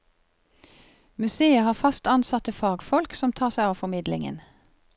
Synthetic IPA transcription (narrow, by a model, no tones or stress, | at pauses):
mʉseːəhɑːfɑst̪ɑnsɑt̪əfɑːɡfɔlksɔmt̪ʰɑːʁsæɪɑːʋfɔmɪd̪lɪ̰ŋə̰n